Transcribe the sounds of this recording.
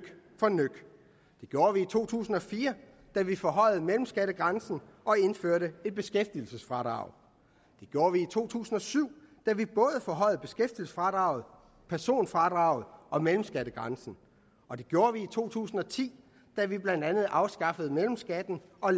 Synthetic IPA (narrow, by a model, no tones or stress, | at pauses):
fɒ̽nøɡ̥ | d̥e̝ɡ̥jo̝ːɐʋiːt͡sʰo̝̰ːt͡sʰṵːsn̩ɒ̽fiːɐ | d̥æʋifɒ̽ɦɒ̽ɪð̩ˠmelm̩sɡ̥æɾ̥əɡ̥ʁɑnsn̩ɒ̽e̝nføɐ̰ɾəe̝d̥̚b̥e̝sɡ̥efd̥il̩səsfʁɑ̈ːd̥ʁɑ̰̈ʊ̰ | d̥e̝ɡ̥jo̝ːɐʋiit͡sʰo̝̰ːt͡sʰṵːsn̩ɒ̽syʊ̰d̥æʋib̥ɔ̽ːð̞̩ˠəfɒ̽ɦɒ̽ɪ̰b̥e̝sɡ̥efd̥il̩sə̥sfʁɑ̈ːd̥ʁɑ̈ʊð̞̩ˠ | pʰæɐso̝̰ːnfʁɑ̈d̥ʁɑ̈ʊð̞̩ˠɒ̽melm̩sɡ̥æɾ̥əɡ̥ʁɑnsn̩ | ʔɒ̽d̥e̝ɡ̥jo̝ːɐʋiːt͡sʰo̝̰ːt͡sʰṵːsn̩ɒ̽t͡sʰḭː | d̥æʋib̥lænd̥ænð̞̩ˠɑ̈ʊsɡ̥ɑ̈fəð̩ˠmelm̩sɡ̥æd̥n̩ɒ̽